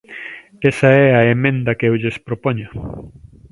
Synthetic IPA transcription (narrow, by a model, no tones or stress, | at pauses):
ɛsɐɛɐemẽnd̪ɐkeewʎespɾopoɲɐ